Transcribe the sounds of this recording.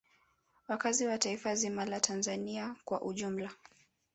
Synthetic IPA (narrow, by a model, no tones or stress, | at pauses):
wakaziwataifazimalatʰanzaniakwa̰ʔuʄum̩la